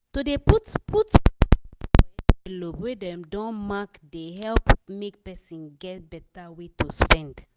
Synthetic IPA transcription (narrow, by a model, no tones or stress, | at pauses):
todeputpʰut | ɛelobɹedɛ̃mdɔ̃nmakdehɛlpmek̚pɛsĩnɡɛt̚bɛtawetuspɛ̃nd